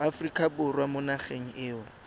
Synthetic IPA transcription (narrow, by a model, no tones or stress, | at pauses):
afrikʼabʊrwamʊnaχeŋ̩ʔɪːʊ